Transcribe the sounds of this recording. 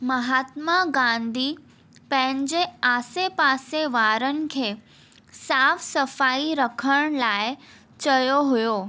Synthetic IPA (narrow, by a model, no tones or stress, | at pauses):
məɦaːt̪maɡãnd̪ʱi | pə̃ɦɪ̃ɲd͡ʑeaːsepaːseʋaɾən̆kʰeː | saːfsəfaiɾəkʰəɽ̃laːj | t͡ɕəjoɦʊjoː